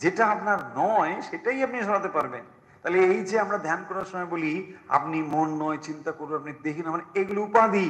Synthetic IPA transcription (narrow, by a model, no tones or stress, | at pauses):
d͡ʑeʈaap̚naɾnɔeʃeʈaiapniʃɔɾat̪epaɾben | t̪aɦleejt͡ɕʰeamɾad̪ʱankɔɾaɾʃɔmɔebolia̰p̚nimonːɔet͡ɕint̪akoɾuapnid̪ekʰinamaɾeeɡuloupad̪i